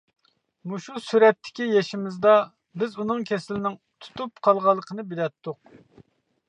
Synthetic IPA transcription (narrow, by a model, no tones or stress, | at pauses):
muʃusyɾɛt̪ʰːɪ̥kʲijɛʃɪmɪzd̪ɑ | bɪzunɨŋkʲʰɛsɪlɪnɪŋ | t̪ʰu̥t̪upqʰɑlˠʁɑlˠːəqʰənɨbɪlɛt̪ʰːʊq̚